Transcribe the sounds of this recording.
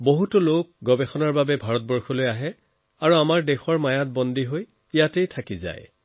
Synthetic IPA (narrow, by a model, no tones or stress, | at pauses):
boɦutɔlok̚ɡɔbɛxɔnaɹbabɛbʱaɹɔt̚bɔɹxɔlojaɦɛ | aɹuamaɹdɛxɔɹmajat̚bɔndiɦoj | ijatejtʰakiza̰j